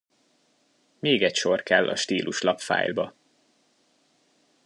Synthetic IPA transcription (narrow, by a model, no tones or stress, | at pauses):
meːɡɛcʃo̞rkɛlːʔɒ̰ʃt̪iːlʔuʃlɒpfa̰ːjlbɒ